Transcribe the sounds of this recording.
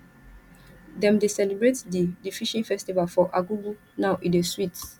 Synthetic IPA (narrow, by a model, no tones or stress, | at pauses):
dɛ̃mdesɛlibɹetdidifiʃɛ̃nfɛstivalfɔʔaɡuɡu | naʊʔĩndeswit